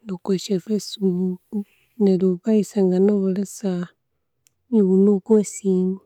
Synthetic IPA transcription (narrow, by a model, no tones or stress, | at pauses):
lukeʃefesbuk | neluβaisaŋɡanoβolesa | iβunukwosimi